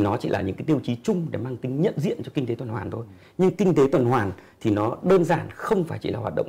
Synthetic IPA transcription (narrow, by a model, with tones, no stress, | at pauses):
nɔ˨˦t͡ɕi˧˩laː˨˩ɲɨ̰˧˥ŋkaː˨˦ɗi˧əwt͡ɕi˨˦t͡ɕʊ˧ŋ͡mɗe˧˩maː˧ŋt̪ï˨˦ŋ̟ɲə̰˧˨nzḭ˧˨ənt͡ɕɔ˧kï˧ŋ̟t̪e˨˦t̪wə˨˩nhwaː˨˩nt̪ʰo˧j | ɲɨ˧ŋkï˧ŋ̟t̪e˨˦t̪wə˨˩nhwaː˨˩nt̪ʰi˨˩nɔ˨˦ɗəː˧nzaː˧˨˩nxə˧wŋ͡mfaː˧˩jt͡ɕi˧˩laː˨˩ɦwaː˨˩t̚ɗə̰˧˨ŋ͡m